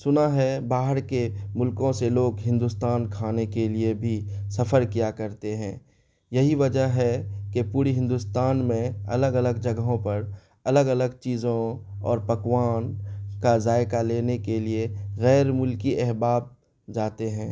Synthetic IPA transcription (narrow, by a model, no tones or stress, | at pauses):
sʊnaɦɛbaːɦəɾkemʊlkõseloːɡɦɪ̃nd̪ust̪aːnkʰaːnekeliebʱisɐfəɾkijakɐɾt̪eɦɛ̃ː | jɐɦiʋɐd͡ʒəɦɦɛkepuːɾiɦɪ̃nd̪ʊst̪aːnmẽɐ̰ləɡɐləɡd͡ʒɐɡɦõpɐɾ | ɐləɡɐləɡt͡ʃiːzõɔ̰ːɾpɐkwaːnkazaːɪkaleːnekelieɣɛːɾmʊlkiʔɛɦbaːb̚ | d͡ʒaːt̪eɦɛ̃ː